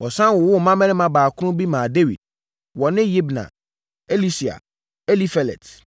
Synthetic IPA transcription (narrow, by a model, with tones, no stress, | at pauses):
wɔ˨sã˦nwɔ˨wʊ˦˨mã˦mɛ̃˦ɪ̃˦mã˨baː˨kʰʊ˦ɾʊ̃˦bi˦mãː˨de˦wḭ˨d̚ | wɔ˨nɪ̃˦ji˦bnã̰˨ | e˦li˦si˨a̰˨ | e˦li˦fe˨lɛ̰˨t